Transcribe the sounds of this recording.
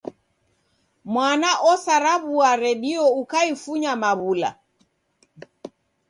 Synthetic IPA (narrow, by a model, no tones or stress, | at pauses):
mwanaʔɔsaɾaβuaɾɛɗiɔukaifuɲamaβula̰